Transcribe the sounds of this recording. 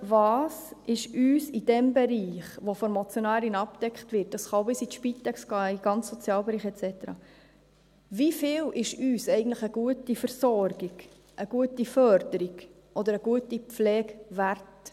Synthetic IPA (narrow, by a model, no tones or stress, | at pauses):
vɑːsɪʃyːsid̥ɛmbɛɾiːχʋofɔɾmɔt͡sjonæːɾinɑp̚d̥ɛkχtʋɪt̚d̥ɑsχɑʊbɪsit̪ʃpitɛksɡ̥ɑːiɡ̥ɑnt͡ssɔt͡sjɑːlbɛɾiːχɛt͡sɛt̪əɾɑ̰ | vifɪːlʔɪʃyːsɛɪɡən̩tləχəɡuətifəɾsɔrɡ̥iɡ̥ | ʔəɡ̥uətifœɾd̥əɾiɡ̥ | ʔɔd̪əɾəɡuətipp͡flɛːɡvært